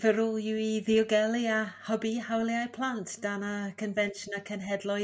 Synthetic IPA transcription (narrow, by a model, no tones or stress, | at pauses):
v̥əɾʊlˠjɪiðiɔɡɛlˠiahɔbihawlˠiajpʰl̥ˠantʰd̥anakʰənvɛnʃnakʰənɦɛdlˠɔ